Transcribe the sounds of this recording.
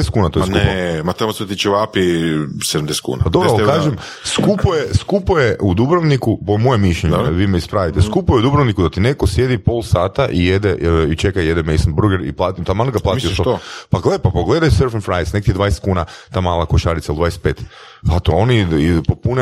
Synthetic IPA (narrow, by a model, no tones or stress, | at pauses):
est̪kuːnat̪ojesknkuepmat̪amoset̪it͡ʃeʋapised̪amd̪eskṵːnapad̪o̞boalkkaːʒem | skupojeskupojeud̪ubɾoʋnikupomojemːiʃʎeɲeʋiːmeispɾaʋit̪eskupojeud̪ubɾoʋnikud̪at̪inekosje̞d̪ipo̞lˠsaːt̪aʔijed̪ɛit͡ʃekajed̪ɛmeisanbɾuɡeɾḭplˠaːt̪imt̪amalˠnɡaplˠaːtmiiot̪oopaɡlepapoɡled̪ajseɾfenfɾajesnek̚t̪id̪ʋaːjest̪kuːnat̪aːmaːlˠakoʃaɾit̪ailˠd̪ʋaːjest̪peːt̪ | at̪oonipopune